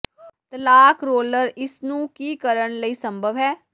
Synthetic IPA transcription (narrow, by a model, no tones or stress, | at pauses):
t̪əlaːkʰɾoːləɾɪsnũːkiːkəɾəɳləiːsəmbʱəʋɦɛː